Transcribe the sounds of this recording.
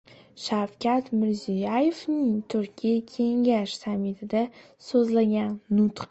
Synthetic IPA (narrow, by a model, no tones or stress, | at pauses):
ʃawkʲʰat̪mɪɾzijajevnɪŋt̪ʰʊɾkʲʰijakʲʰe̞ŋɡaʃsamːɪt̪ʰɪd̪a | sozlaɡʲanːʊt̪